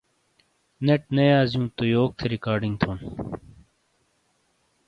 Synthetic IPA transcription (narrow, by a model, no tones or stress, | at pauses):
neʈ̚nɐjaːzjũːt̪ojoːk̚t̪ʰeɾikaːɾɖĩŋɡt̪ʰoːn